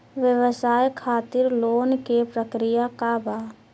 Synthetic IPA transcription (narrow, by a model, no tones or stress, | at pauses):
ʋjəwəsaːjkʰaːt̪ɪɾloːnkepɾəkɾɪjakabaː